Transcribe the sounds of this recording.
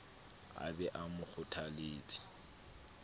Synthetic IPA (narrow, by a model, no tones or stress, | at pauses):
a̰bɛʔamʊk͡xʰʊtʰaleːt͡sʼi̥